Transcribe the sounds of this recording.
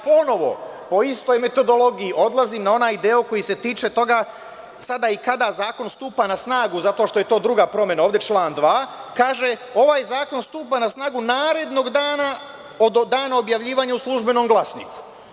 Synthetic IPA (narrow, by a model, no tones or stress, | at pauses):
po̞no̞ʋo̞̰ | po̞ist̪o̞jme̞t̪o̞d̪o̞lo̞ɡijiʔo̞d̪lˠaziːmnao̞naːjd̪eːoko̞jise̞t̪iːt͡ʃe̞t̪o̞ɡa | sad̪aikad̪azaːko̞nst̪uːpanasnaːɡuzat̪o̞ʃt̪ojet̪oːd̪ɾuɡapɾo̞mjenaoʋd̪et͡ʃlˠaːnd̪ʋaːkaːʒeo̞ʋaːjzaːko̞nst̪uːpanasnaːɡunaːɾe̞d̪no̞ɡd̪aːna | od̪d̪aːnao̞bjaʋʎiːʋaːɲauslˠuʒbe̞no̞ːmɡlˠasnḭːku̥